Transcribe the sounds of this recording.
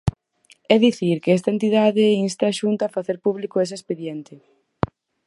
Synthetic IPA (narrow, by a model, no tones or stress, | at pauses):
ɛðiθiɾkeɛst̪ɐent̪iðaðɪinst̪aːʃunt̪aːfaθeɾpuβlikʊes̬espeðjɛnt̪ɪ